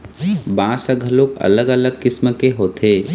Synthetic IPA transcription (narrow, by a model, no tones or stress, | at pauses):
bãːsəɡʱəloːkɐ̰ləɡələɡ̚kɪsməkeɦoːt̪ʰeː